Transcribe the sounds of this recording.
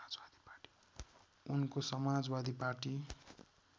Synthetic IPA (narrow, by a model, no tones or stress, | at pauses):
ad͡zbad̪i̥parʈi̥ | unkosʌmad͡zbad̪iparʈi